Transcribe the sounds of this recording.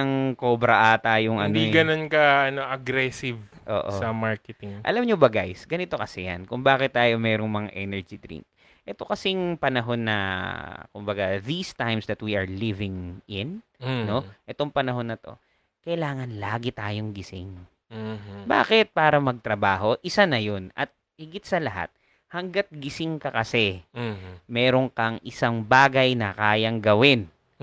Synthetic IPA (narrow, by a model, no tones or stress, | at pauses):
ɐŋkoːbɾɐʔat̪aːjoŋɐ̰niɡɐnonkɐʔɐnoʔɐɡɾɛsɪvʔo̰ːʔosɐmaɹkɛt̪ɪŋʔɐ̰lɐmɲobɐɡajsɡɐnɪt̪o̞kɐsɛja̰nkʊŋbaːkɪt̪̚ːaːjomɛːɾoŋmɐŋa̰ʔɛnɛɹd͡ʒid̪ɾḭ̃ŋk̚ | ʔɛt̪o̞kɐsɛŋpɐnɐɦo̞nːɐ̰ | kʊmbɐɡaðist̪ajmsd̪ɐt̪̚wiʔɐɹlivɪŋʔɪnː | o̞ʔɛt̪oŋpɐnɐɦo̞nːɐt̪o̞̰ | kɐʔɪlaːŋɐnlaːɡɪt̪aːjoŋɡɪsɪŋ | ba̰ːkɪt̪̚paːɾɐmɐɡ̚t̪ɾɐbaːɦo̞ʔɪsanɐjonʔɐ̰t̪̚ | hɪɡɪt̪̚sɐlɐɦa̰t̪̚ | hɐŋɡat̪̚ɡɪsɪŋkɐkɐsɛ | mɛːɾo̞ŋkɐŋʔɪsaŋbaːɡɐjnɐkaːjɐŋɡɐwɪn